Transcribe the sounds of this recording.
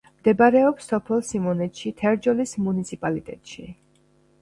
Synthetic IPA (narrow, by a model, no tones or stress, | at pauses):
md̪ɛbaɾɛɔpsːɔpʰɛlˠsimɔnɛt̪ʃit̪ʰɛɾd͡ʒɔlismunit̪sʰipʼalit̪ʼɛ̰t̪ʼʃi